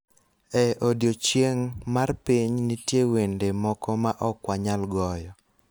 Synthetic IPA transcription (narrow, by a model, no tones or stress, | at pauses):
ɛʔodjot͡ʃjeŋmarpiɲnitjewendemɔkɔmaʔɔkwaɲalɡɔjɔ